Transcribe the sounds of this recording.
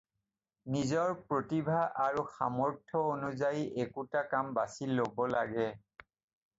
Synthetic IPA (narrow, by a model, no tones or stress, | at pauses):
nizɔɹpɹotibʱaʔaɹuxa̰mɔɹtʰɔonuzajiʔekutakambasilːobɔlaɡɛ